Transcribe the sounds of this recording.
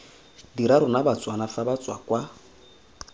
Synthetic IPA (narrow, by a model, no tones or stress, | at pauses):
diɾaɾʊnabat͡sʼwanafabat͡sʼwakwa